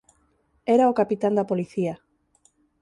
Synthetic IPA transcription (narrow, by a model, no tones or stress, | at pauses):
ɛɾaokapit̪and̪apoliθia